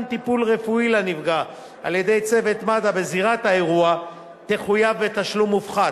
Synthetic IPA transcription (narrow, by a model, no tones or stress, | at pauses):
nt̪ipulʁe̞fuilanivɡa | a̰ljede̞jt͡se̞ve̞t̪madabeziʁat̪haeʁua | t̪eχujavːe̞t̪aʃlumːufχa